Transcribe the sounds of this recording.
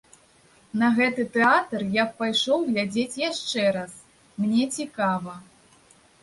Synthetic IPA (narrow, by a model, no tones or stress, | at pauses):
nɐɣɛt̪ɨt̪ɛat̪rjappajʂɔwɣlʲad͡zʲet͡sʲjaʂt͡ʂɛɾas | mnʲɛt͡sʲikavɐ